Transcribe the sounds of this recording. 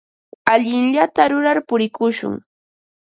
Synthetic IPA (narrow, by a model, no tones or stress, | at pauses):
aʎɪnʎat̪aɾʊɾaɾpʊɾɪkʊʃʊ̰ŋ